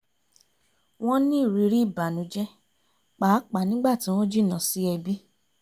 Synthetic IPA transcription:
w̃ɔ̃˦nĩ˦˨ɾi˨˧˦ɾi˦˨ba˨nũ˨˦d͡ʒɛ˦ | k͡pa˨˦k͡pa˨nĩ˦ɡ͡ba˦˨tĩ˨˦w̃ɔ̃˦d͡ʒi˦˨nã˨si˦ɛ˧bi˦

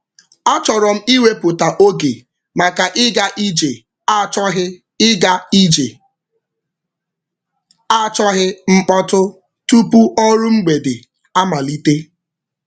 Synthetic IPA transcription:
a˦t͡ʃɔ˨ɾɔ˨m̩˦i˦we˦pʊ˨ta˨ʔo˦ɡe˨ | ma˨ka˨ʔɪ˦ɡa˦ʔi˦d͡ʒe˨˦ | ɦ | ɡa˦i˦d͡ʒe˨ | a˦t͡ʃɔ˦ɦɪ˦ŋ͡m̩˦k͡pɔ˦tʊ˦ | tu˦pu˦ʔɔ˦ɾʊ˦ŋ͡m̩˦ɡ͡be˨dɪ˨ | a˦ma˨li˦te˦

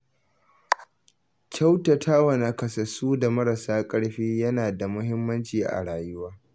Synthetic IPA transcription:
kʲʰa˦wtɐ˨tʰaː˦wɐ˨na˨kɐ˨sɐ˨suː˦da˨mɐ˦ɾɐ˨saː˦kʼɐ˦ɽɸiː˦jɐ˦naː˨da˨mʊ˦ɦɪ˦mːɐ˦nt͡ʃiː˨ʔa̰˨ɽaː˨jʊ˦waː˦

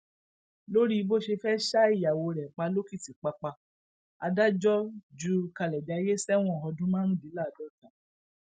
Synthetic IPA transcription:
lo˦ɾi˦i˧bo˦ʃe˧fɛ˦ʃa˦i˦˨ja˨wo˧ɾɛ˨k͡pa˧lo˦ki˦˨ti˨k͡pa˧k͡pa˧ | a̰˧da˦d͡ʒɔ˦d͡ʒu˦ka˧lɛ˨da˨˧˨i˧ɾe˦sɛ˦w̃ɔ̃˦ɔ˨ɦɔ˧dũ˦mãː˦ɾũ˦di˨˦la˦˨dɔ˦tã˨

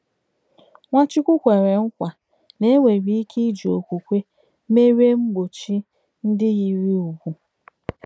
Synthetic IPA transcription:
ŋʷa˦t͡ʃi˦kʷʊ˦kʷe˨ɾe˨ŋ̩˦kʷa˨ | ne˦ŋʷe˨ɾi˦i˦kʰi˦d͡ʒi˨o˨kʷu˨kʷe˦ | me˦ɾe˦ŋ͡m̩˦ɡ͡bo˨t͡ʃi˦ | n̩˦dɪ˦ɣi˨ɾi˦u˨ɡu˨

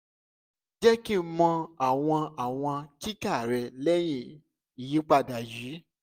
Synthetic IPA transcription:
d͡ʒɛ˦ki˦mɔ̃˧a˨w̃ɔ̃˧a˨w̃ɔ̃˧ki˦ka˦˨ɾɛ˧lɛ˦j̃ĩ˧˨ | i˨ji˨˦k͡pa˧˨da˨jiː˨˦

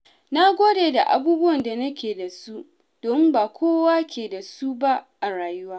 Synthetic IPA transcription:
na˦ɡʷoː˦deː˨da˨ʔa̰˨buː˦bʊ˦wɐ˨nda˨nɐ˦kʲeː˨da˨su˦ | d̥oː˨mɪ˦mbaː˨kʷʰoː˦waː˦kʲeː˨da˨su˦ba˦ʔa˨ɽaː˨jʊ˦waː˦

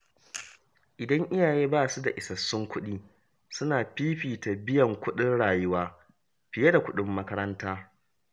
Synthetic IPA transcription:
ʔɪ˨dɐ˦ŋʔɪ˦jaː˨jeː˦baː˦˨su˦da˨ʔɪ˨sɐ˨sːʊ˦ŋkʷʊ˦ɗiː˦ | sʊ˦naː˨ɸiː˦ɸiː˨ta˨bɪ˦jɐ˨ŋkʷʊ˦ɗɪ˦nɽaː˨jʊ˦waː˦ | ɸɪ˨jɐ˦da˨kʷʊ˦ɗɪ˦mːɐ˦kɐ˦ɾɐ˦ntaː˦

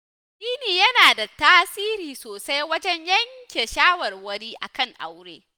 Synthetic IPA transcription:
ʔiː˦niː˨jɐ˦naː˨da˨taː˦siː˦ɾiː˨soː˨sa˦jwɐ˦d͡ʒɛ˦ɲjɐ˦ŋkʲe˨ʃaː˦wɐ˨rwɐ˦ɽiː˦ʔa̰˨kɐ˦˨ŋʔa̰˦wɽḛː˦

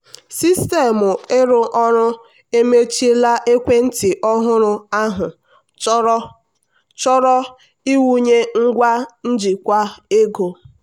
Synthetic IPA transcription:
si˦ste˨mʊ˨ɪ˦ɾʊ˦ʔɔ˦ɾʊ˦ | e˦me˦t͡ʃi˦la˦ʔe˦kʷe˦n̩˦ti˨ʔɔ˦ɦʊ˦ɾʊ˦a˦ɦʊ˨˦ | ɾɔ˦ | t͡ʃɔ˦ɾɔ˦ | i˦wu˦ɲe˦ŋ̩˦ɡʷa˦n̩˦d͡ʒi˨kʷa˦e˦ɡo˨

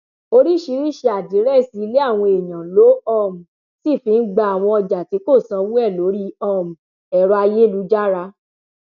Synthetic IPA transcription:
o˧ɾi˦˨ʃi˨˧˦ɾi˦˨ʃe˧a˨di˨˦ɾɛ˦˨si˨˦˧le˦a˦˨w̃ɔ̃˧e˨jã˨lo˨˦ɔ˦˨m̩˨ | si˦˨fi˧˦n̩˦ɡ͡ba˧˨a˨w̃ɔ̃˧ɔ˧d͡ʒa˨ti˨˦ko˦˨sã˧wu˦ɛ˦˨lo˨˦ɾi˦ɔ˦˨m̩˨ | ɛ˨ɾɔ˧a˧je˦˨lu˧˦d͡ʒa˦ɾa˧˦

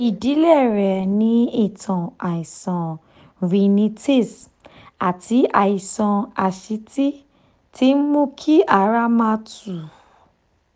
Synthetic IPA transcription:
i˨di˨˦lɛ˦˨ɾɛ˨nĩ˨˦i˦˨tʰã˨a˨i˨sã˨ | vi˧nĩ˧te˦˨s | a˨ti˨˦a˨i˨sã˧a˨ʃi˧˦ti˦ | ti˦mũ˦kʰi˦ʔa˧˨ɾa˦mã˧tu˨

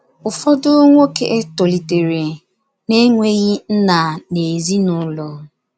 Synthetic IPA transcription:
ʊ˨fɔ˦dʊ˦ŋʷo˦ke˦ʔe˦to˨li˨te˨ɾe˨ | ne˦ŋʷe˦ɣi˦n̩˦na˨ne˨zi˦nʊ˦lo˨

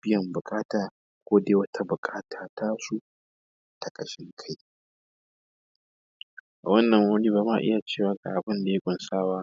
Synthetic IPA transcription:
b̥ɪ˦jɐ˨mbʊ˨kʼaː˦taː˨ | kʷoː˦deː˦wɐ˦tʰa˦bʊ˨kʼaː˦tʰaː˨tʰaː˦su˦ʔ | tʰa˨kʼɐ˨ʃɪ˦ŋkʰa˦j | ʔa˨wɐ˦nːɐ˨ŋwɐ˦niː˦baː˨˦ma˦˨ʔɪ̰˦ja˨t͡ʃeː˦˨waː˦ɡa̰˨ʔa˨bɪ˦nda˨je˦kʷʼʊ˦nsaː˦waː˦

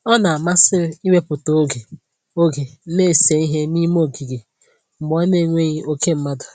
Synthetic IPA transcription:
ɔ˦na˨a˨ma˦sɪ˦i˦we˦pʊ˨to˨˦ɡe˨ | o˦ɡe˨˦ne˦˨se˨i˦ɦe˦ni˦mo˦˨ɡi˨ɡe˨ | m̩˨ɡ͡bɔ˦ne˦˨ŋʷe˦ɣi˦o˦ke˦m̩˦ma˦dʊ˨

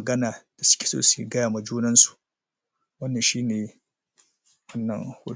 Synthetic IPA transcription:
ɡɐ˦naː˨d̥a˨sʊ̥˦kʲe̥˨so̰ː˦su˨ɡɐ˦jaː˨ma˨d͡ʒuː˦nɐ˦nsu̥˨ʔ | wɐ˦nːɐ˨nʃiː˦neː˨ | wɐ˦nːɐ̰˨ŋhʊ̰˦

